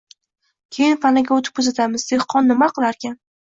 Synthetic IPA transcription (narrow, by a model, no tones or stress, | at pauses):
kʲʰe̞jɪnpʰanaɡʲaɵt̪ʰɪp̚kʰɵzat̪ʰamɪzd̪eχqʰɒnːɪmaqɨlˠaɾkʲan